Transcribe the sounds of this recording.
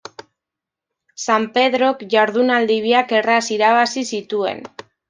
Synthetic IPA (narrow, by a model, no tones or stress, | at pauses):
sampe̞ðɾo̞kʝaɾðunald̪iβiake̞rasiɾaβasisit̪ue̞̰n